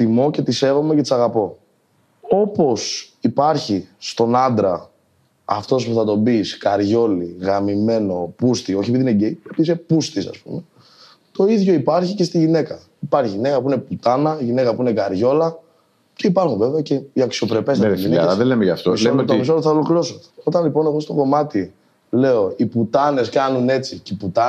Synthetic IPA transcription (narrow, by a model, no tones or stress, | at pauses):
t̪imo̞ce̞t̪ise̞ɣome̞cet̪i̥sɐɣɐpo̞ | o̞po̞sipɐɾçist̪o̞nɐnd̪ɾɐː | ft̪o̞spuθɐt̪o̞biskɐɾʝo̞liɣɐmime̞no̞pust̪io̞çepiðineɟeiepisepust̪isɐ̰spume | t̪o̞iðʝo̞ipɐɾçice̞st̪iʝine̞kɐ | ipɐɾçiʝinekɐpuine̞put̪ɐnɐʝine̞kɐpuinekɐɾʝo̞lɐ | ce̞ipɐɾxuve̞veɐceiɐksio̞pɾe̞pesiineɐðelemeʝɐft̪oet̪mis̬oɾoθɐolokilosot̪o̞t̪ɐnlipo̞ne̞ɣo̞st̪o̞ko̞mɐt̪i | le̞o̞iput̪ɐne̞skɐnune̞t͡siciput̪ɐ